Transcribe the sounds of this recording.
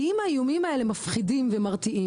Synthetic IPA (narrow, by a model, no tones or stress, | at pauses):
imaiumimae̞lemafχidimvemaʁt̪iʔi